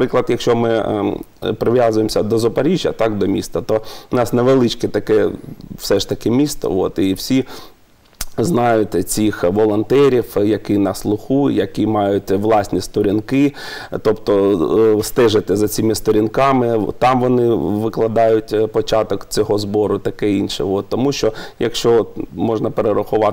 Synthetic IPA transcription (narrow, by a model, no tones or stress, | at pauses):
pɾɪklˠɐd̪jɐkʃt͡ʃɔmɪ | pɾɪʋʲjɑzʊjemsʲɐd̪ɔzɔpɐɾʲiʒʲjɐ̰t̪ɑkd̪ɔmʲḭst̪ɐt̪ɔʊnɑsneʋelˠɪt͡ʃkɛt̪ɐkɛwsɛʃt̪ɐkɪmʲist̪ɔ̰oɔ̰t̪iwsʲi | znɑjʊtʲt͡sʲixʋɔlˠɔnt̪ɛɾʲiwjɐkɪnɑslˠʊxujjɐkimɑjʊtʲʋlˠɑsʲnʲist̪ɔɾʲinkɪt̪ɔpt̪ɔst̪ɛʒɪt̪ɪzɐt͡sʲimɪst̪ɔɾʲinkɑmɪt̪ɑmʋɔnɪʋɪklˠɐd̪ɑjʊtʲpɔt͡ʃɑt̪ɔkt͡sʲɔɦɔzbɔɾʊt̪ɐkɛinʃɛ̰ot̪ːɔmuʃt͡ʃɔjɐ̰kʃt͡ʃɔt̪mɔʒnɐpeɾeɾɐxʊʋɑ